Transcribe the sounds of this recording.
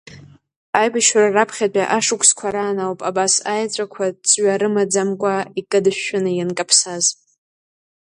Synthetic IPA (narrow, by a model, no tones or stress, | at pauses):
ajbaʃararapʰχʲat͡pʷʼaʔaʂʊkʷʰskʷʰaɾaːnawpʼabasajt͡sʷʼakʷʰat͡sʼɥaɾɨmad͡zamkʷʼaikʼɨdɨʃʷᶣʊnɨjankʼapʰsaz